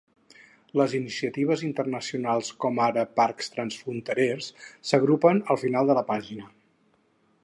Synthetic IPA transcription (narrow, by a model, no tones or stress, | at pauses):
ləzinisiət̪iβ̞əzint̪ərnəsiunalˠskɔmaɾəparkst̪ɾənsfɾunt̪əɾersːəɣ̞ɾupənəlˠfinalˠd̪ələpaʒinə